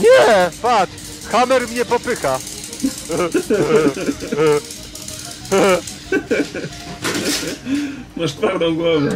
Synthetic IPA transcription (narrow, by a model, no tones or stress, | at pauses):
ɲɛpat̪ | xamɛɾmɲɛpɔpɘxa | maʂt̪vawd̪ɔ̃w̃ɡwɔvɛ